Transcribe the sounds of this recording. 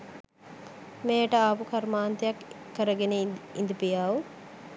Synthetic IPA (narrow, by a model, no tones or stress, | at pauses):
meːʈɐaːpukʰɐɾmaːnt̪ijɐkʰːəɾɐɡeneind̪upijaːʋu